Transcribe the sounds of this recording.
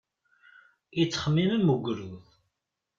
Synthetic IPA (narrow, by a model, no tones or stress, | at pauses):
it͡sːχəmːiməmːuɡʷɾuðˤ